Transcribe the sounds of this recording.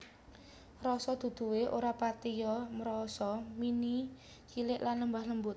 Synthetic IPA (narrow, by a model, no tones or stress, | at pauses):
ɾɔsɔd̪̥ṳd̪̥ṳweʔoɾapat̪ijɔməɾɔsɔmini | kilɪʔlanləmbahləmbʊt̪̚